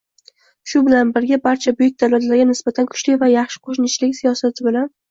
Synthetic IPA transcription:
ʃʊbɪlanbɪɾɡʲabaɾt͡ʃʰabʊjɪk̚ʲd̪awlat̪laɾɡʲanɪsbat̪ʰankʰʊ̥t͡ʃlɪvajɑχʃɪ̥qʰoʃnɪt͡ʃlɪkʲsijɒsat̪ʰɪbɪlan

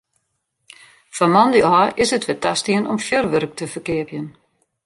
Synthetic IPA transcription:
famɔndiaʔɪsətʋɪtastiənɔmfjørʋœɾk̚tʰəfərkɪəpjən

